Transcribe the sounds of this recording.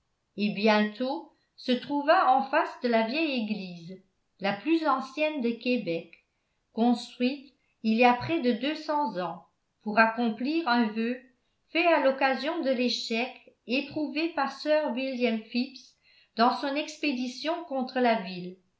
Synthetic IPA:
ebjɛ̃t̪ʰo | sət̪χuvaɑ̃fasd̪əlavjɛjeɡliːz | laplyzɑ̃sjɛnd̪əkebɛkː | ɔ̃st̪χɥit̪ | iljapχɛd̪əd̪øsɑ̃zɑ̃ | puʁakɔ̃pliːʁɛ̃vø | fɛalɔkazjɔ̃d̪əleʃɛk | epχuvepaʁsœːʁwiljɛmfips | d̪̥ɑ̃sɔ̃nɛksped̪isjɔ̃kɔ̃t̪χəlavil

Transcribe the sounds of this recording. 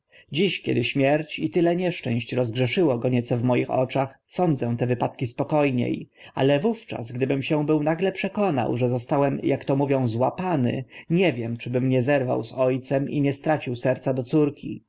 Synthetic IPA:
d͡ʑiɕkʲɛ̰d̪ɘɕmʲjɛɾt͡ɕit̪ɘlɛɲɛʂt͡ʂɛ̃w̃ɕt͡ɕɾɔzɡʐɛʂɘwɔɡɔɲɛt̪sɔvmɔjixɔ̰t͡ʂaxsɔnd̪zɛ̃t̪ɛvɘpat̪kʲispɔkɔjɲḛj | a̰lɛvuft͡ʂa̰sɡd̪ɘbɘmɕɛ̃bɘwnaɡlɛpʂɛkɔna̰wʐɛzɔst̪awɛmjakt̪ɔmuvʲjɔ̃w̃zwapanɘ̰ɲɛvʲjɛmt͡ʂɘbɘmɲɛzɛɾva̰wzɔjt̪sɛmḭɲɛst̪ɾat͡ɕiwsɛɾt̪sad̪ɔt̪suɾkʲʰi

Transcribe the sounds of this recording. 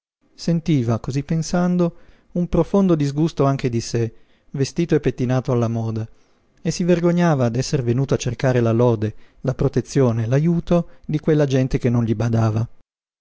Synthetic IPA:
sent̪iːvakozipːensand̪o | umpɾofond̪od̪izɡust̪oaŋk̟ed̪ise | vest̪iːt̪oepːet̪ːinaːt̪oalːamɔːd̪a | esːiverɡoɲːaːvad̪ɛsːeɾvenuːt̪oat͡ʃːerkaːɾelalɔːd̪elapɾot̪et̪sːjoːnelajuːt̪od̪ikwelːad͡ʒɛnt̪ek̟enːõnʎibad̪aːva

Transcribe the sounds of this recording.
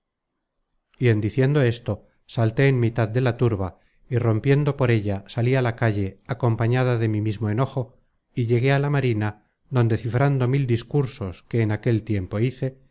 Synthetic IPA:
ie̞nd̪iθje̞nd̪o̞e̞st̪o̞ | salt̪e̞ːnmit̪aðd̪e̞lat̪uɾβa | iro̞mpje̞nd̪o̞po̞ɾe̞ʎasalialakaʎe̞ako̞mpaɲað̞aðe̞mimizmo̞e̞no̞xo̞ | iʎe̞ɣe̞alamaɾina | ðo̞nd̪e̞θifɾand̪o̞mild̪iskuɾso̞ske̞ːnake̞lt̪je̞mpo̞iθe̞

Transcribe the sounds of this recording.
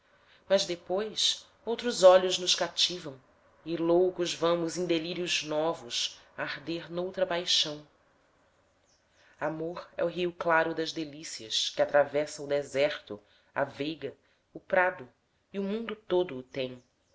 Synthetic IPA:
mɐzd̪epojs | owt̪ɾʊzɔʎʊznʊʃkat͡ʃivɐ̃w̃ | ɪlowkʊzvɐ̃mʊzẽd̪eliɾiʊznɔvʊʃ | aɾd̪eɾnowt̪ɾɐpajʃɐ̃w̃ | amoɾɛ̰ʊɦiuklaɾʊd̪ɐzd̪elisiɐʃkɪat̪ɾavɛsɐ̃ʊd̪ezɛɾt̪ʊ | a̰vejɡɐ | ʊpɾad̪ʊ | iʊmũnd̪ʊt̪od̪ʊːt̪ẽj̃

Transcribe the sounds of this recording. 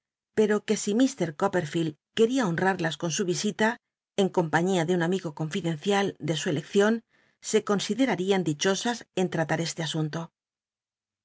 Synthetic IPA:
pe̞ɾo̞ke̞simist̪e̞ɾkope̞ɾfilke̞ɾiao̞nraɾlasko̞nsuβ̞isit̪a | e̞ŋko̞mpaɲiaðeunamiɣo̞ko̞ɱfiðe̞n̟θjald̪e̞sue̞le̞kθjo̞n | se̞ko̞nsiðe̞ɾaɾiand̪it͡ʃo̞sase̞nt̪ɾat̪aɾe̞st̪e̞asunt̪o̞

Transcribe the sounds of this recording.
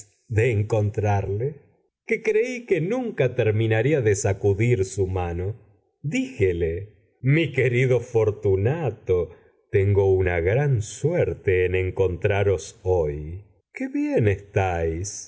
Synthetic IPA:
ðeːŋko̞nt̪ɾaɾle | kekɾeikenuŋkat̪eɾminaɾiaðesakuðiɾsumano̞ | d̪ixele | mikeɾiðo̞fo̞ɾt̪unat̪o | t̪eŋɡo̞unaɣɾansweɾt̪eːnẽŋko̞nt̪ɾaɾo̞soj | keβjenest̪ajs

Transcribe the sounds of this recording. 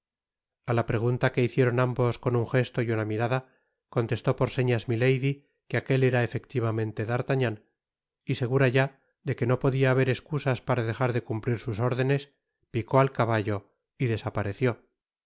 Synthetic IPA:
alapɾe̞ɣ̞unt̪ake̞iθje̞ɾo̞nambo̞sko̞nuŋxe̞st̪o̞junamiɾaða | ko̞nt̪e̞st̪o̞po̞ɾse̞ɲazmile̞jði | keake̞le̞ɾaefe̞kt̪iβamẽ̞nt̪e̞ðaɾt̪aɲan | ise̞ɣ̞uɾaʝa | ðe̞ke̞no̞po̞ðiaːβ̞e̞ɾe̞skusaspaɾað̞e̞χaɾðe̞kumpliɾsuso̞ɾðe̞ne̞s | piko̞alkaβaʝo̞ | iðe̞sapaɾe̞θjo̞

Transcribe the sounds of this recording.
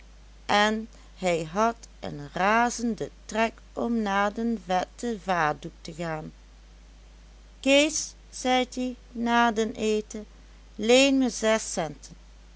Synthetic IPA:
ʔɛn | ɦɛjɦɑtə̰nraːzəndətrɛk | ɔmnaːɹdənvɛtəvaːɹduk̚təɣaːn | keːs | z̥ɛjti | naːɹdəneːtə | leːnməz̥ɛsɛntʰən

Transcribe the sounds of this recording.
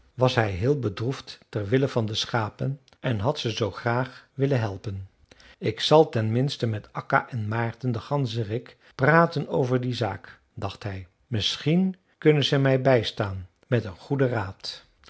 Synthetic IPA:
ʋɑsɦɛjɦɪːlˠbədrufttɛrʋɪləvɑndəsχaːpən | ʔɛnɦɑtsəzowχraːχʋɪlənɦɛlˠpən | ɪksɑlˠtɛnmɪnstəmɛtɑka̰ʔɛnmaːɹtəndəχɑnzərɪk | praːtənowvəɹdiza̰ːk | dɑχtɦɛj | mɪsχin | kɵnənzɛmɛjbɛjstaːn | mɛtənχudəraːt

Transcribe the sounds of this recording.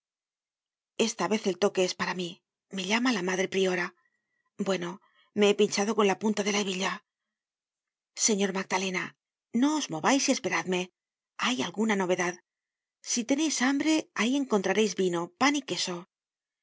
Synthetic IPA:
e̞st̪aβe̞θe̞lt̪o̞ke̞espaɾami | me̞ʎamalamaðɾe̞pɾio̞ɾa | bwe̞no̞ | me̞epint͡ʃaðo̞ko̞nlapunt̪aðe̞laeβiʎa | se̞ɲo̞ɾmaɡ̚d̪ale̞na | no̞ːzmo̞βajsie̞spe̞ɾaðme̞ | ajalɣunano̞βe̞ðað | sit̪e̞ne̞jsambɾe̞aie̞ŋko̞nt̪ɾaɾe̞jzβino̞panike̞so̞

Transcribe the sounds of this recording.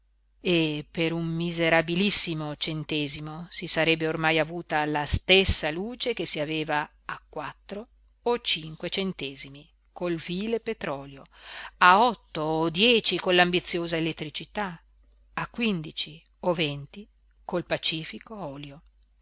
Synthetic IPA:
epeɾumːizeɾabilisːimot͡ʃent̪eːzimosisaɾɛbːeormajavuːt̪alast̪esːaluːt͡ʃekesiaveːvaː | kːwat̪ːɾo | ot͡ʃiŋkwet͡ʃent̪eːzimi | kolviːlepet̪ɾɔːljoaɔt̪ːoːd̪jɛːt͡ʃikonlambit̪sːjoːzaelet̪ːɾit͡ʃit̪a | akːwind̪it͡ʃi | ovent̪i | kolpat͡ʃiːfikoɔːljo

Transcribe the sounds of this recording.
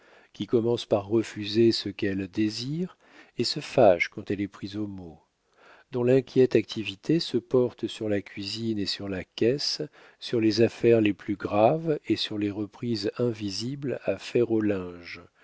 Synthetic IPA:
kʲikɔmɑ̃spaʁːəfyzesəkɛld̪eziʁ | esəfaʃkɑ̃t̪ɛlɛpχizomo | d̪ɔ̃lɛ̃kʲjɛt̪ak̚t̪ʰivit̪ʰesəpɔʁt̪syʁlakʲɥizinesyʁlakʲɛsː | yʁlezafɛʁleplyɡʁavesyʁleʁəpχizɛ̃viziblafɛʁolɛ̃ʒ

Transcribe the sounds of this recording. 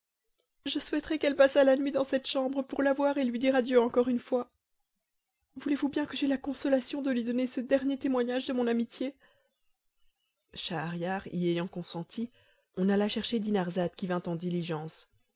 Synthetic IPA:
ʒəswɛt̪χɛkɛlpasalanɥid̪ɑ̃sɛt̪ʃɑ̃bʁəpuʁlavwaʁelɥid̪iʁad̪jøɑ̃kɔʁynfwa | vulevubjɛ̃kəʒɛlakɔ̃sɔlasjɔ̃d̪əlɥid̪ɔnesəd̪ɛʁnjet̪emwaɲaʒd̪əmɔ̃namit̪je | ʃaːʁjaʁiejɑ̃kɔ̃sɑ̃t̪ʰi | ɔ̃nalaʃɛʁʃed̪inaʁzat̪kʲivɛ̃t̪ɑ̃d̪iliʒɑ̃s

